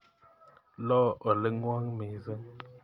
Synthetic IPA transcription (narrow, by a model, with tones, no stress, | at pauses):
lɔ˦ʔɔ˨lə˦ŋwa˦ŋme˨zə˦ŋ